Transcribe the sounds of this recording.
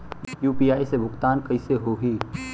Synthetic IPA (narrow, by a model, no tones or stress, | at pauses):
juːpiːaːisebʱʊɡt̪aːnkəiseɦoɦiː